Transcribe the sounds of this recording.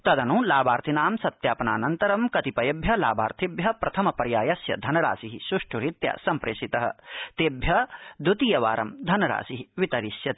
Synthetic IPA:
t̪ɐd̪ɐnulaːbaːɾt̪ʰinaːmsɐt̪jaːpɐnaːnɐnt̪ɐɾɐmkɐt̪ipɐjɐbʱjɐla̰ːbaːɾt̪ʰibjɐpɾɐt̪ʰɐmɐpɐɾjaːjɐsjɐ̰d̪ʱɐnɐɾa̰ːsiɦiʃuʂʈʰuɾit̪ja̰ːsɐmpɾeʃit̪ɐɦɐ̆t̪eːbjɐd̪ut̪iːjɐʋa̰ːɾɐmd̪ʱɐnɐɾa̰ːsiɦiʋit̪ɐɾisjɐt̪

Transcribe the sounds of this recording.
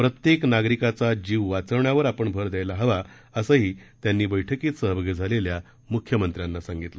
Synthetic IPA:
pɾət̪jeknaɡɾikat͡sad͡ʑiːʋʋat͡səʋɳjaʋəɾapəɳbʱəɾd̪jajlaɦəʋa | əsəɦiːt̪janːiːbəjʈʰəkiːt̪səɦəbəɡəd͡zʱalelja | mukʰjəmənt̪ɾjanːasãŋɡit̪lə

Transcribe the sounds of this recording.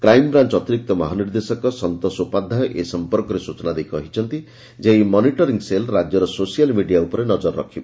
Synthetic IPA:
kɾajmbɾant͡ʃɔt̪iɾik̚t̪ɔmɔɦaniɾd̪esɔkɔsɔnt̪ɔsupad̪ʱajʔesɔmpɔɾkɔɾesut͡ʃɔnad̪ejkɔɦit͡ʃʰɔnt̪i | d͡ʒeimɔniʈɔɾiŋselɾad͡ʒjɔɾɔsosijalmiɖijaupɔɾenɔd͡ʒɔɾːɔ̰kʰibɔ

